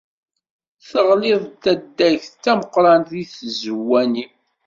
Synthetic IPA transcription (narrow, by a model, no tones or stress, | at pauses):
θəʁlɪðˤt̪ːæd̪ːæjçt͡sːæməqɾˤɑnðiθzəwːænim